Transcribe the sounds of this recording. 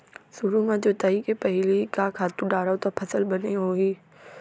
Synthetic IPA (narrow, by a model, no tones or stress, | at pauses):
sʊɾumãd͡ʑoːt̪aikepɐɦɪlikakʰaːt̪ũɖaːɾat̪apʰɐsəlbɐneɦoːiː